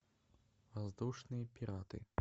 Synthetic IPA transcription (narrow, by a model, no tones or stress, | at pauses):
vazd̪uʂnɨjɐpʲiɾat̪ɨ̰